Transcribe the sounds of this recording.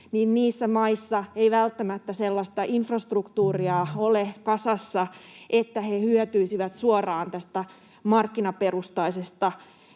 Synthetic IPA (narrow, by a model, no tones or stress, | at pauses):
niːnniːsːæmɑisːɑejʋælt̪ːæmæt̪ːæselːɑst̪ɑʔinfrɑst̪rukt̪uːriɑolekɑsɑsːɑʔet̪ːæhe̞hyøt̪yisiʋæt̪suorɑːnt̪æst̪æ | mɑrkːinɑpe̞rust̪ɑisest̪ɑ